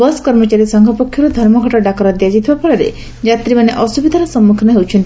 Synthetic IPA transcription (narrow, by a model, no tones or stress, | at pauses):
bɔskɔɾmɔt͡ʃaɾisɔŋɡʱɔpokʰːjɔɾɔd̪ʱɔɾmɔɡʱɔʈɔɖakɔɾɔd̪ijad͡ʒit̪ʰibapɔɭaɾḛ | d͡ʒat̪ɾimaneʔɔsubid̪ʱaɾɔsɔmːukʰɔnaɦewt͡ʃʰɔnt̪i